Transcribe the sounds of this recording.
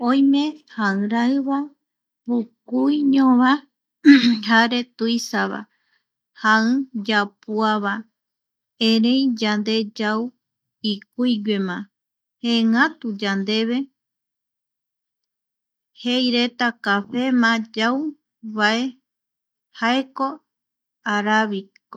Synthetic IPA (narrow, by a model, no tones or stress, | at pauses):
õj̃mẽ̞haɨ̃ɾaɨβa | βukujɲõβa | haɾe̞t̪uisaβa̰ | haɨ̃d͡ʒapuaβa | ẽɾẽ̞id͡ʒand̪e̞d͡ʒaw | ik̚ujɡʷemã | heŋãt̪ud͡ʒand̪e̞βe̞ | hejɾe̞t̪akafe̞mãd͡ʒaw | βae | haeko̞ | aɾaβik